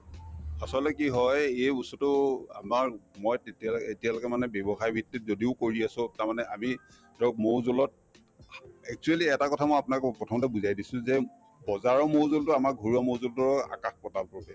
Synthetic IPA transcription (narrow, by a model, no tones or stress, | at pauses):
asɔltɛkiɦɔjejbusɔtʊa̰maɹmɔjtetialetialɔkɛmanɛbebɔxajbʱitːitzodiʊkoɹiasʊ̃taɹmanɛami | tɔk̚mowzulɔt̚ | ɛk̚t͡ʃualiɛtakɔtʰamɔjapʊnakpɹɔtʰɔmɔtɛbuzajdisʊ̃zɛ | bɔzaɹɔmowzoltʊamak̚ɡʱoɹiamowzultʊɹɔa̰kaxpɔtalpɔɹbɛ